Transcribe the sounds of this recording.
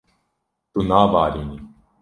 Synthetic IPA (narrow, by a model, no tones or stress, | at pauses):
t̪unaːvaːɾini